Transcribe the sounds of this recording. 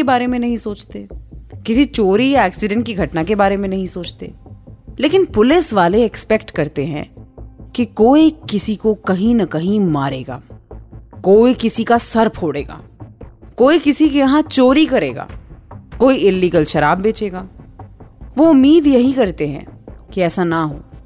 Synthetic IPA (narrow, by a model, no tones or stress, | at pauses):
ebaːɾemẽnɐɦĩsoːt͡ʃt̪eːkɪsit͡ʃoːɾijaɛːksɪɖɛ̃ɳʈ̚kiɡʱɐʈnakebaːɾemẽnɐɦĩsoːt͡ʃt̪ḛːleːkɪnpʊlɪsʋaːleɛkspɛkʈkɐɾt̪eɦɛ̰̃kikoːikɪsikokɐɦĩnɐkɐɦĩmaːɾeːɡa̰ː | koːikɪsikasɐɾpʰoːɽḛːɡa̰ːkoːikɪsikejɐɦãt͡ʃoːɾikɐɾḛːɡa̰ːkoːiɪlːiːɡəlʃɐɾaːbːeːt͡ʃeːɡaː | ʋoʊmːiːd̪jɐɦikɐɾt̪eɦɛ̰̃ːkiɛːsanɐɦo̰ː